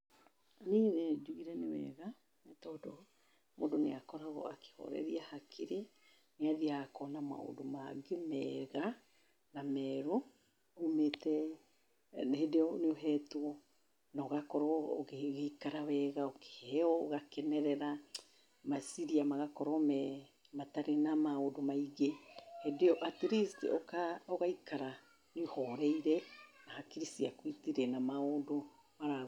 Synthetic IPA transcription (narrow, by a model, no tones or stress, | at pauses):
nined͡ʒuiɾɛnewɛ̰ɣa | mɛtɔdo | mo̰doneakɔɾaɣɔ̰ake̥hɔ̰ɾɛ̰ɾiahakʰiɾe | neaðiakɔnama̰o̰domaɡemɛɣa | namɛɾo | ometɛi | nehedeɔneoɦɛtoɔ | naoɣakɔɾɔeɣekaɾawɛɣaoke̥hɛɔɣakɛnɛɾɛɾa | masiɾiamaɣakɔɾɔmɛ | mataɾenamaodomaiɣehedeɔʔatiɾiskḛɔkaoɣaikaɾa | neohɔɾɛiɾɛnahakiɾisiakwitiɾɛnamaodo | maɾa